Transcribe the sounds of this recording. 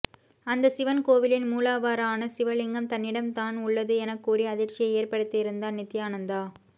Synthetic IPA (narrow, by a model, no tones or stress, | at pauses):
ɐnd̪ɐsɪʋɐnkoːʋɪlɪnmuːlaːʋaːɾaːnɐsɪʋɐɭɪŋɡɐmt̪ɐnːɪɽɐmt̪aːnʊɭːɐðɯɛnɐkːuːriɐðɪrt͡ʃɪjɐeːrpɐɽɯt̪ːɐɪɾɯnd̪aːnnɪt̪ːɪjaːnɐnd̪aː